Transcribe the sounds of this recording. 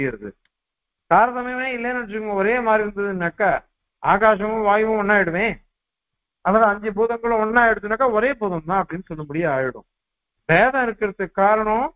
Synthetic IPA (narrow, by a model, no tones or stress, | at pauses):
jɪɾɐðɯ | saːɾðɐmeːmeːɪlːɐjnɐɽɐtɾɯkːɯŋɡɐɔɾeːmaːd̪ɾiɾɯnd̪ɐðɯnːɐkːɐ | aːɣaːʂɐʋʊ̃ʋaːjʋʊ̃ɔɳːaːjɪɽɯʋẽː | ɐðaːðɯɐɲd͡ʒɐbuːðɐŋɡɐɭʊ̃ɔnːaːɛɽɯt̪ːɯnːɐkːɐɔɾeːbuːðɐmt̪ãːɐpːɐɽɪnːɯsɔlːɐmʊɽɪjɐaːɻɪɽɯ̰̃ | ʋeːðɐ̃ɪɾɯkːɪɾɐt̪ːɯkːaːɾɐɳɐ̃